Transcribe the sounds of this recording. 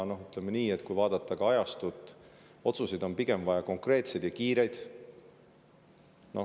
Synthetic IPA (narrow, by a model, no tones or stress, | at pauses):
no̞ɦyt̪ˑlemeniːet̪ːˑkujvɑːd̪̥ɑt̪ˑːɑɡ̥ɑɑjɑst̪ut̪ːˑ | o̞t̪susid̪̥o̞mpiɡ̥e̞mvɑjɑko̞ŋkre̞ːt̪se̞jd̪̥jɑkiːɾe̞jd̪̥ | no